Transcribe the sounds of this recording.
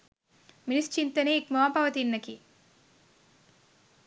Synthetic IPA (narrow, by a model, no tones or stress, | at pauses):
minist͡ʃint̪ɐneekmɐʋapɐʋɐt̪inːɐki